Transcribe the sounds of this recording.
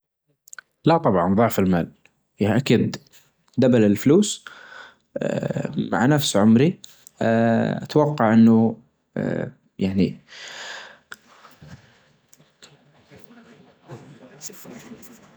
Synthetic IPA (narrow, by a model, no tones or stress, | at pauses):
lat̪ˤɑbʕɑnðˤɑʕfɪlmaːl | ʔakiːd̪ | d̪abalɪlfluːs | ma̰ʕnafsʕʊmɾi | a̰t̪wɑqːɑʕʔɪnːʊ̰ | jaʕni